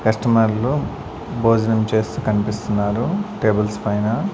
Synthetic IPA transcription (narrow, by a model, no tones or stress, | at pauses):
kɐsʈɐmɐɾlu | boːd͡ʒɐnɐmt͡ʃe̞ːst̪uːkɐnipist̪unːaːɾuʈe̞ːbɐlspɐjnɐ